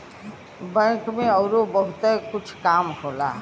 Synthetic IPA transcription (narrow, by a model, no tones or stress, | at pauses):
bə̃kmẽʌwɾobʌɦut̪ekut͡ʃʰkamɦola̰